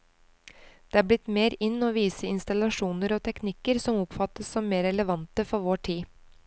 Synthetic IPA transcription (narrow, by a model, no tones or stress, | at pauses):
d̪̥eːæːblɪt̪meːɾɪnːoːʋiːsəɪnst̪ɑlɑʂuːnəɾoːt̪ʰɛknɪkəɾsɔmʊpfɑt̪əsɔmːeːɾɛləʋɑnt̪əfɔɾʋoːʈʰiː